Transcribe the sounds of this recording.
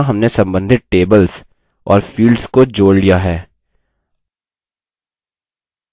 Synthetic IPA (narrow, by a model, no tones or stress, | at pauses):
ɦɐmnesɐ̃mbə̃nd̪ʱɪt̪̚ʈeːbəls | ɔːɾfiːlɖskod͡ʒoːɽlijaɦɛː